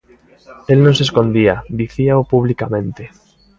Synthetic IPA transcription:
elnõŋseskõnd̪iad̪iθiaopuβlikamẽnt̪e

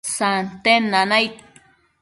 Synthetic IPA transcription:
sant̪enːanajt̪̚

